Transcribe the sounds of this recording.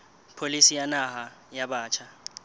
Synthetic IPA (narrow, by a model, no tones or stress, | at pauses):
pʰolisijanahajaɓaːt͡ʃʰa